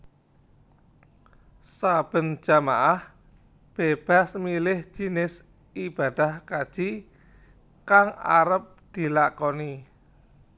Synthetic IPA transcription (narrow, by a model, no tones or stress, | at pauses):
sab̥ə̤n̥d͡ʒ̥a̤maʔah | b̥eb̥a̤smilɪhʒ̥i̤nɪs | ib̥a̤d̪̥ahkad̥ʒ̥i | kaŋa̰ɾəp̚d̪̥i̤lakɔni